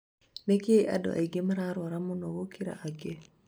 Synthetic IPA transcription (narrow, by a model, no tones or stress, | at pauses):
nekeiʔa̰dɔ̰ʔa̰iɡemaɾaɾɔɾamunɔwokiɾa̰ʔaɡe